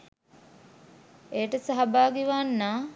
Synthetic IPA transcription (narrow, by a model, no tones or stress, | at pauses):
eːʈəsaɦabaːɡiʋanːaː